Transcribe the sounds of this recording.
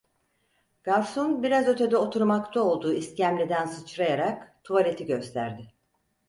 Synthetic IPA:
ɡ̥aɾsunbiɾazø̞t̪ʰe̞d̪ɛo̞t̪ʰuɾmakt̪ʰao̞lˠd̪uːiscæmlʲed̪ænsɯt͡ʃɾajaɾakt̪ʰualʲe̞t̪ʰiɟø̞st̪ʰæɾd̪ɪ

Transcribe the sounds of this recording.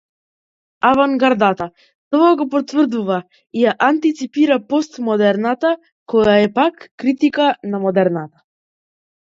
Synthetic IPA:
avaŋɡaɾd̪at̪a | t̪ɔaɡɔpɔt̪vr̩d̪uva | ijaʔant̪it̪sipiɾapɔst̪mɔd̪ɛɾnat̪a | kɔjaɛpakːɾit̪ikanamɔd̪ɛɾnat̪ḁ

